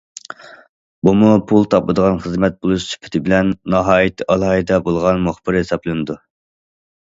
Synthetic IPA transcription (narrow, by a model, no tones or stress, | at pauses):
bumupʰulˠt̪ʰɑplˠɨd̪əʁɑnχəzmɛt̪̚bolˠuʃt͡ʃʰy̥pʰɪ̥t̪ʰɪbɪlɛnːɑɦɑːjit̪ʰːʔɑlˠɑːɦɨd̪ɛbolˠʁɑnmoχbɪɾhesɑplˠɪnɨd̪u